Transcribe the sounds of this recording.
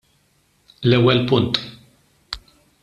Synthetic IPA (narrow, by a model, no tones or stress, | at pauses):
lɛwːɛlpʊnt̪